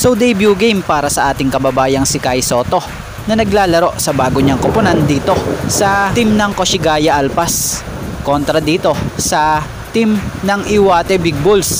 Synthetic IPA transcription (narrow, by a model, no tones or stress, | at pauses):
sowd̪ejbjuɡɛjmpaːɾɐsɐʔaːt̪ɪŋkɐbɐbaːjɐŋsɪkajso̞ːt̪o̞ | nɐnɐɡlaːlɐɾo̞ʔsɐbaːɡoɲɐŋkopʊnɐnd̪iːt̪o̞sɐt̪imnɐŋkoʃɪɡaːjɐʔɐlpɐs | ko̞nt̪ɾɐd̪iːt̪o̞sɐ | t̪imnɐŋɪwaːt̪ɛbiɡ̚bols